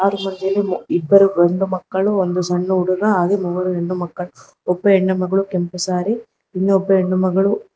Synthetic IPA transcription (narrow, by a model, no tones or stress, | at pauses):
aːd̪umɐnd̪eleibːɐɾuɾond̪umɐkːɐɭuond̪usɐɳːuːɽuɾɐaːd̪emuʋɐɾueɳːumɐkːɐɭu | ɔbːɐeɳːɐmɐɡɐɭukempɐsaːɾi | inːɐɔbːɐeɳːumɐɡɐɭu